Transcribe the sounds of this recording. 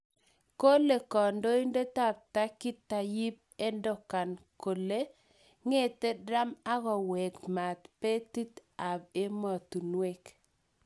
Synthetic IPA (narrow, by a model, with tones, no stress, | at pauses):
ko˦le˨kɔ˨ndo˦i˦nde˦ta˦˨p̚ta˦kɪ˦t̪ːa˨ji˦p̚ | e˦ndɔ˨ka˨nko˨le˦ | ŋe˦te˦da˦ma˦ɣɔ˨wɛ˨kma˨t̪pe˦t̪i˦t̪a˨be˦mɔ˨tu˨nwe˦k